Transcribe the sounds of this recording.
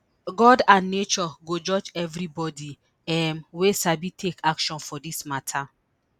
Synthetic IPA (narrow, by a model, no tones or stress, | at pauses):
ɡɔdãnːet͡ʃɔɡod͡ʒɔd͡ʒɛvɾibɔdi | ɛmwesabitʰekʰakʃɔ̃nfɔdismatʰa